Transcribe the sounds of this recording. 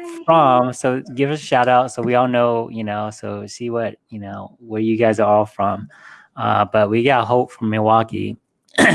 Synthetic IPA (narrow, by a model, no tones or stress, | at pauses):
fɹʌ̃msoʊɡɪvʌsʃaʊɾaʊtsoʊwiɔlˠnoʊjɨnoʊsoʊsiwʌt̚jɨnoʊwə˞jɨɡaɪzə˞ɔlˠfɹʌ̃m | ʌ̰b̥ʌt̚wiɡɑɾəɦoʊpfɹʌ̃mːɨwɑkḭ